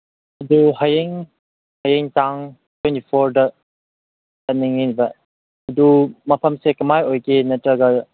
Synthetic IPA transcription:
ɐduɦajeŋ | hɐjeŋtaŋ | twentipʰoɾdɐ | tɐniŋibɐ | ɐdumɐpʰɐmsekɐmajojkenɐtɾɐɡɐ

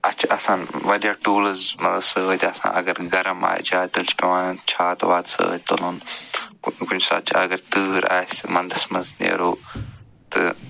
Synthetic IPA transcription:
ɐt͡ʃʰaɐsãːnʋɐɗijaːʈuːləzmɐsəʋət̪ɐsã̰ːʔɐɡəɾɡɐɾəma̰ːḛt͡ʃʰaːt̪ɐlt͡ʃʰi̥kɐʋãːt͡ʃʰaːt̪ɐʋaːd̪sə̰ʋə̰t̪o̰noːn | kʊɲsa̰ːt͡ʃʰaɐɡəɾt̪ɨːɾa̰ːesmɐ̃nd̪ʱəsmɐnznḛɾoː | t̪ɐ̰

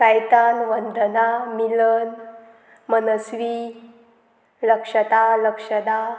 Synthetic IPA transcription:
ajt̪anʋənd̪ənamilən | mənəsʋi | ləkʂət̪aləkʂəd̪a

